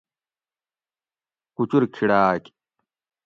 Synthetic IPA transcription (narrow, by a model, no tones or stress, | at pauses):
kut͡ɕuɾkʰiɽaːk